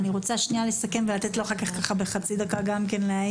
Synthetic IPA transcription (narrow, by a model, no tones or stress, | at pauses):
niʁo̞t͡saʃnialesake̞mvelat̪et̪loaχakaχkaχabeχat͡sid̪akaɡamke̞nleaj